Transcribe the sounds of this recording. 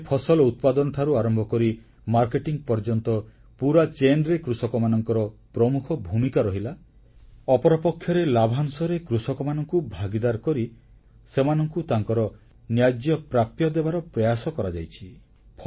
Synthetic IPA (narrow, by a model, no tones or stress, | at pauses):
epʰɔsɔlɔut̪̚pad̪ɔnɔʈʰaɾuaɾɔmbʱɔkɔɾi | maɾkeʈiŋpɔɾd͡ʒɔnt̪ɔ | puɾat͡ʃenɖɾekɾusɔkɔmanɔŋkɔɾɔpɾɔmukʰɔbʱumikaɾɔɦila | ɔpɔɾɔpɔkʰːjɔɾelabʱansɔɾekɾusɔkɔmanɔŋkubʱaɡid̪aɾkɔɾi | semanɔŋkut̪aŋkɔɾɔ | njad̪jɔpɾapjɔd̪ebaɾɔpɾɔjasɔkɔɾad͡ʒajt͡ʃʰi | pʰ